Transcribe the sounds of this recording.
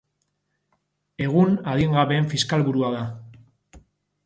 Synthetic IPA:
e̞ɣ̞unað̞iŋɡaβe̞ːɱfiskalβuɾuaða

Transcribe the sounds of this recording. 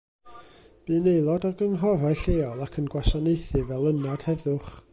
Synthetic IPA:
b̥iːnejlˠɔdɔɡənɦɔrajɬeːɔlˠakʰənɡwasɔnejθɨvɛlˠənad̥hɛðʊχ

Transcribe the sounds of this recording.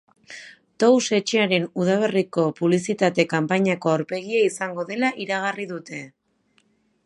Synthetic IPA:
t̪owse̞t͡ʃe̞aɾe̞nuðaβ̞e̞riko̞puβlisit̪at̪e̞kampaɲako̞aɾpe̞ɣiaisaŋɡo̞ðe̞laʔiɾaɣ̞ariðut̪e̞

